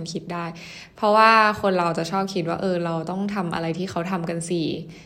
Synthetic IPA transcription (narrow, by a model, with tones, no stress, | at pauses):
nkʰi˦˥t̪̚daː˥˩j | pʰɾɔ˦˥waː˥˩kʰo˧nɾa˧wt͡ɕa˨˩t͡ɕʰɔː˥˩p̚kʰi˦˥t̪̚waː˥˩ʔɤː˧ɾa˧wt̪ɔ˥˩ŋt̪ʰa˧mʔa̰˧ɾa˧jt̪ʰiː˥˩xʰa˦˥wt̪ʰa˧mka˧nsi˨˩